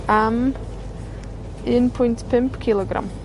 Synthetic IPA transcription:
am | ɪnpʰʊjntpʰɪmpkʰɪlˠɔɡɾa̰m

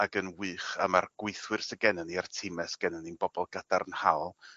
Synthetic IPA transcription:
aɡənwɨːχamarɡ̥wɪɨθwɨrsəɡɛnaniartʰɪmɛsə̥ɡ̥ɛnaninbɔb̥ɔlˠɡ̥ad̥arnhalˠ

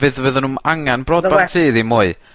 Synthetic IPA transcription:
vɨðvəːðənunaŋanbrɔdbantʰiːðimʊɨ

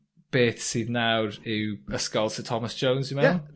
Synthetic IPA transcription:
b̥eːθsiːdnawɾɪwəskɔlˠsətʰɔməsʒ̥ownzjəmɛnʊn

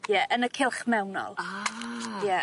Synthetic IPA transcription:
jɛʔənəkʰɪlˠχmɛwnɔ̰lˠa | jɛ

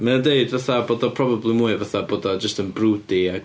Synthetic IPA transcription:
məədeɨdvaθaboːdɔpʰr̥ɔbablˠimuːɨvaθaboːdɔd͡ʒəstənbruːdia

